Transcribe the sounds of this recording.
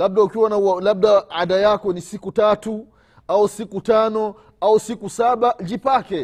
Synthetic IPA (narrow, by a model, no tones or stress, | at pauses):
laɓ̚ɗaukiwanaalaɓ̚ɗaaɗajakɔnisikutatu | ausikutanɔ | ausikusaɓad͡ʒipakɛ